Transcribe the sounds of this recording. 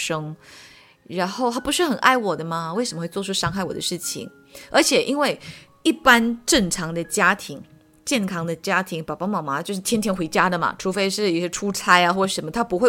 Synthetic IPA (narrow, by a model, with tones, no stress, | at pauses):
ʂɤ˥ŋ | ɻa˧˥nxo˥˩ʊt̪ʰa˥pu˧˥ʂɻ̩˥˩xə˨˩nʔa˥˩ɪwɔ˨˩d̪ə˦mɐ˩we˥˩ɪʂə˧˩m˧we˥˧t͡swɔ˥˧ʈ͡ʂʰu˥˧ʂɑ˥ŋxa˥˩ɪwɔ˨˩d̪ə˦ʂɻ̩˥˩t͡ɕʰḭ˨˩ŋ | ə˞˧˥t͡ɕʰjɛ˨˩ʔi˥nwe˥˩ɪ | i˥˩pa˥nʈ͡ʂɤ˥˩ŋʈ͡ʂʰɑ˨˧˥ŋd̪ə˧t͡ɕja˥t̪ʰi˧˥ŋ | t͡ɕjɛ˥˩nkʰɑ˥ŋd̪ə˨t͡ɕja˥t̪ʰi˧˥ŋpɑ˨˩ʊpɑ˥mɑ˨˩ma˧˦t͡ɕjo˥˧ʊʂɻ̩˥˩t̪jɛ˥nt̪ʰjɛ˥nxwe˧˥ɪt͡ɕja˥d̪ə˨mɐ̰˩ʈ͡ʂʰu˧˥fe˧˥ɪʂɻ̩˥˩i˥˩ɕɛ˧˥ʈ͡ʂʰu˥t͡sʰa˥ɪa˨xwɔ˥˩˧ʂə˧˥nmə˧t̪ʰa˥pu˧˥xwe˥˩